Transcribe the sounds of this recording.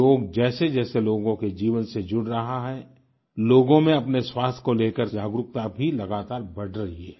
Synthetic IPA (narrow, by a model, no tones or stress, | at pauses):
oːɡd͡ʒɛːsed͡ʒɛːseloːɡõked͡ʒiːʋənsed͡ʒʊɽɾɐɦaɦɛː | loːɡõmẽɐpneswaːst̪ʰkoleːkəɾd͡ʒaːɡɾʊk̚t̪abʱilɐɡaːt̪aːɾbɐɽɾɐɦiɦɛː